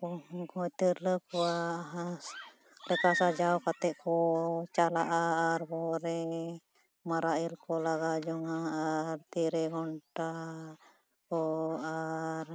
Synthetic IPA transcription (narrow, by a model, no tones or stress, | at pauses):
ɔkɔjt̪iɾləkɔwaɦa | lɛkasad͡ʒawkat̪ɛʔkɔt͡ʃalaʔaːɾbɔɾɛ | maɾailkɔlaɡad͡ʒɔŋaaɾt̪iɾɛɡɔɳʈa | kɔaɾ